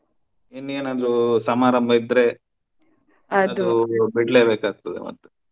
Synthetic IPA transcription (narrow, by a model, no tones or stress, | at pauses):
enːeːnaːd̪ɾusɐmaːɾɐmbʱɐid̪ɾe̞ | ɐɐd̪uubiɽle̞ːbeːkaːɡ̚t̪ɐd̪ḛmɐ̰t̪ːu